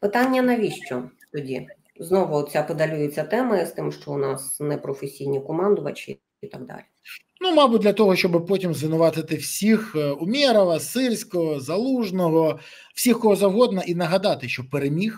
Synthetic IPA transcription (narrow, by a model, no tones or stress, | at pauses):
pɪt̪ɑnʲːɐnɐʋʲiʃt͡ʃɔt̪ɔdʲi | znɔʋʊɔt̪̚t͡sʲapɔd̪ɐlʲujet͡sʲːɐt̪ɛmɐst̪ɪmʃt͡ʃɔʊnɑsnɛpɾɔfesʲijnʲikɔmɑnd̪ʊʋɐt͡ʃɪ̰ | it̪aɡ̚d̪ɑ̰lʲi | numɑbʊt̚ʲd̪ʲlʲɐt̪ɔɦɔʃt͡ʃɔbɪpɔtʲimzʋɪnʊʋɑt̪ɪt̪ɪwsʲixʊmʲɛɾɐʋɐsɪrʲsʲkɔɦɔzɐlˠuʒnɔɦɔ | w̥sʲixkɔɦɔzɐwɦɔd̪nɐʔinɐɦɐd̪ɑt̪ɪʃt͡ʃɔpeɾemʲix